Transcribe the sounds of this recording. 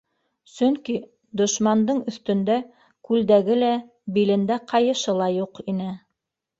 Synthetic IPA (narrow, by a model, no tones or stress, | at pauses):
sɵŋki | d̪ŏʃmɑnd̪ɤɴɵ̆θt̪ɵ̆nd̪æ | kʉld̪æɡɘlæ | bilɘ̆nd̪æqɑjɤ̆ʃɤlˠɑjuqinɘ